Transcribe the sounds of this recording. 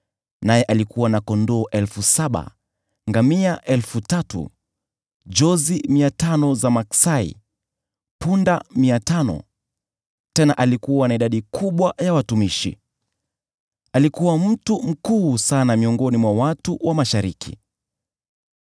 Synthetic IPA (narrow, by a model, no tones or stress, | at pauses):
najɛʔalikuwanakɔndɔːʔɛlfusaɓa̰ | ŋɡamiaʔɛlfutatṵ | d͡ʒɔzimiatanɔzamaksaḭ | pundamiatanɔ̰ | tɛnaʔalikuwanaiɗaɗikʰuɓwajawatumiʃḭ | alikuwam̩tum̩kuːsanamiɔŋɡɔnimwawatuwʔamaʃaɾikʰḭ